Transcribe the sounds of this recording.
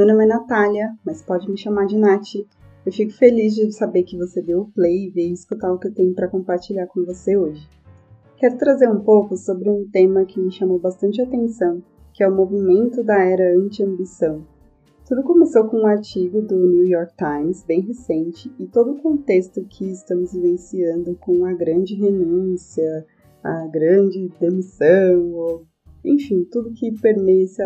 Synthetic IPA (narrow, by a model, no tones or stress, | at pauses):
mewnõm̃ɛnat̪aljɐmɐspɔd͡ʒɪmɪʃamaɾd͡ʒɪnat͡ʃɪ | ewfikʊ̥felizd͡ʒɪsabeɾkɪvosed̪ewʊplejveɪskut̪aʊkɪewt̪ẽɲʊpɾɐkõpaɾt͡ʃiʎaɾkõvoseoʒɪ | kɛɾʊt̪ɾazeɾũpowkʊsobɾɪũt̪ẽmɐkɪmɪʃamowbast̪ɐ̃nt͡ʃɪat̪ẽnsɐ̃w̃ | kɪɛʊmovimẽnt̪ʊd̪ɐɛɾɐɐ̃nt͡ʃɪɐ̃mbisɐ̃w̃ | t̪ud̪ʊkomesowkõũaɾt͡ʃiɡʊd̪ʊniwjɔɾk̚t̪ãjmsbẽj̃ɦesẽnt͡ʃɪɪt̪od̪ʊːkõnt̪est̪ʊkʰɪɪst̪ɐ̃mʊzĩvẽnsiɐ̃nd̪ʊkõw̃ɐɡɾɐ̃nd͡ʒɪɦenũsiɐ | ɐ̰ɡɾɐ̃d͡ʒɪd̪emisɐ̃w̃o | ḛ̃fĩt̪ud̪ʊkɪpeɾmesɪ